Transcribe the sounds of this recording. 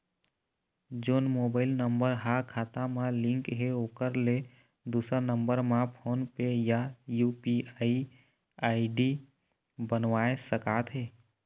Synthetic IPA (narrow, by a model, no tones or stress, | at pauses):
d͡ʒoːnmoːbaːɪlnəmbəɾɦakʰaːt̪amãlɪ̃ŋkɦeoːkəɾle | d̪uːsəɾnə̃mbəɾmãpʰoːnpejajuːpiai | aːiɖi | bənʋaːesəkaːt̪ɦeː